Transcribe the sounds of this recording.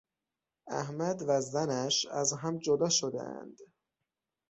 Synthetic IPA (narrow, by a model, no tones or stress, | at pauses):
æhmæd̪væzænæʃæzɦæmd͡ʒod̪ɒːʃod̪ḛæ̰nd̪̥